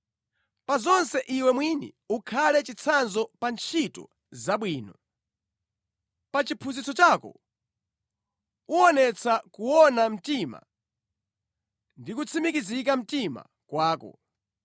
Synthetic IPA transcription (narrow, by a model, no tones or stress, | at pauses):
pazɔnsɛʔiwɛmwinḭ | ukʰalɛt͡ʃit͡sʰanzɔpant͡ʃʰitɔ̰ | zaɓwiːnɔ | pat͡ʃipʰuzit͡sɔt͡ʃakɔ̰ | uɔnɛt͡sʰakuwɔnam̩tima̰ | ndikut͡sʰimikizikam̩tima̰ | kwaːkɔ̰